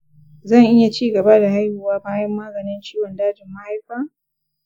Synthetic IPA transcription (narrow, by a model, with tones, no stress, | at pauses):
zɐ˦˨ŋʔɪ˦ja˨t͡ʃiː˦ɡɐ˨ba˦da˨ha˦jhuː˨waː˦baː˦jɐ˦mːaː˦ɡɐ˨nɪ˦nt͡ʃiː˦wɔ˨ndaː˦d͡ʒɪ˨mːa˦ha˦jɸaː˦